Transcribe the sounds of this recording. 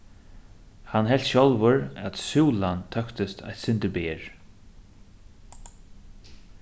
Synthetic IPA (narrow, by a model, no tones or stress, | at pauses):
hanɦɛl̥t̪ɕɔlvəɹæt̪suːlant̪ʰœkt̪ɪst̪ʰa̰jt̪sɪnt̪əɾbeːɹ